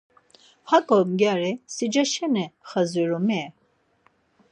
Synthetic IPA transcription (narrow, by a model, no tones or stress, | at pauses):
hakʼɔmɡjaɾɛsid͡ʒaʃɛnɛχaziɾɔmɛ